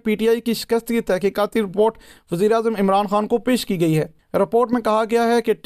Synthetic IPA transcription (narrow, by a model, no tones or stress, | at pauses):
piːʈiaːikiʃɪ̥kəst̪kit̪ɛːkiːkaːt̪iɾɪpoːɾʈʋɐziːɾeaːzəmɪmɾaːnxaːnkopeːʃkiɡɐiɦɛː | ɾɪpoːɾʈmẽkɐɦaɡɐjaɦɛkeʈ